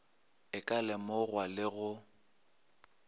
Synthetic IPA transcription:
ɪkʼalɛmoɣwalɪɣʊ

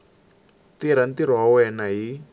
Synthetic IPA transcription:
tiɾantiɾ̤ɔɦawɛnaɦi

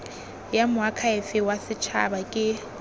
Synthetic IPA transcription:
jamʊakʰaɪfɪwasɪt͡ʃʰa̰bakʼɪ

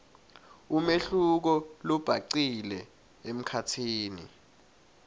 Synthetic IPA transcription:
umeɬuk̬ɔlɔb̥ʱaǀilɛ | em̩kʰatʰiːnḭ

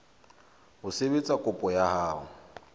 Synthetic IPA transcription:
hʊsebet͡sʼakʼʊpʼɔjahaːɦʊ

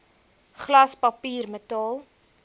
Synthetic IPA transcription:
χlɐspɐpiːrmətɑːlˠ

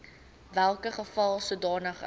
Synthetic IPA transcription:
vælˠkəχəfɐlˠsudɑːnəχ

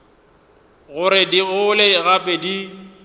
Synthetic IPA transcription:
ɣʊɾɪdiɣʊlɪɣapʼedi

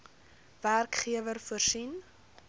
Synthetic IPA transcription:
værkχiəvərfuərsin

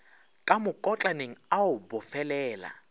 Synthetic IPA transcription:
kʼamʊkʼɔt͡ɬʼaneŋ̩aʊbʊfɛlɛːla̰

